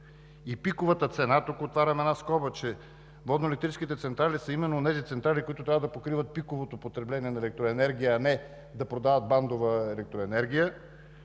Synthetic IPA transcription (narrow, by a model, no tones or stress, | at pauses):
ipikovət̪ət̪sɛnat̪okoːt̪vaɾʲəmɛd̪naskɔbət͡ʃɛ | vɔd̪noɛlɛk̚t̪ɾit͡ʃskit̪ɛt̪sɛnt̪ɾalisəimɛnːoːnɛzit̪sɛnt̪ɾalikoit̪ʊt̪ɾavəd̪ɐpokɾivət̪̚pikovot̪opot̪ɾɛblɛniɛnɐɛlɛk̚t̪ɾoɛnɛɾɡʲijəːnɛ | d̪ɐpɾod̪avɐt̪̚band̪ovəɛlɛk̚t̪ɾoɛnɛɾɡ̟ijə